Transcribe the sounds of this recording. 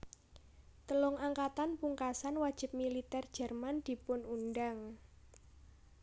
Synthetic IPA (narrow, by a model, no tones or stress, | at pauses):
t̪əlʊŋaŋkat̪anpuŋkasanwad̥ʒ̥ɪ̤p̚milit̪ɛrd̥d͡ʒ̥ɛ̤rmand̪̥i̤pʊnunɖaŋ